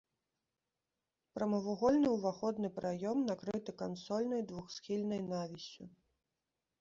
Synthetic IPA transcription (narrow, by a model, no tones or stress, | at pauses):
pɾɐmɐvuɣɔlʲnɨwvaxɔd̪nɨpɾʔajɔmnakɾɨt̪ɨkansɔlʲnɐjd̪vuxsxʲilʲnɐjnavʲisʲu